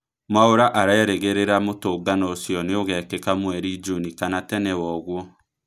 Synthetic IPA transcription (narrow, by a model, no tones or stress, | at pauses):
maoɾaʔaɾaeɾeɣeɾeɾamotoːɡanɔːsjɔneoɣɛkekamwɛɾid͡ʒunikanatɛnɛwɔɣwɔ